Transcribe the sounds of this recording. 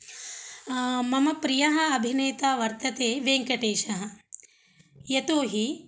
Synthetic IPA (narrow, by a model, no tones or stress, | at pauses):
mɐmɐpɾijɐɦɐ̆ɐbʱineːt̪aːʋɐɾt̪ɐt̪eːʋeːŋkɐʈeːʃɐɦɐ̆ | jɐt̪oːɦi